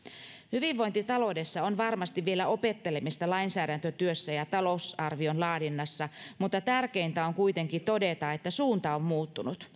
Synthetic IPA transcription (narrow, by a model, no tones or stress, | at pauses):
hyʋiʋːo̞jnt̪it̪ɑlo̞de̞sːɑonʋɑrmɑst̪iʋʋie̞læo̞pe̞t̪ːe̞le̞mist̪ɑlɑinsæːdænt̪øt̪yøsːæjɑt̪ɑlo̞sɑrʋio̞nlɑːdinːɑsːɑmut̪ːɑt̪ærkejnt̪æoŋkujt̪e̞ŋkit̪o̞de̞t̪ɑet̪ːæsuːnt̪ɑomːuːt̪ːunut̪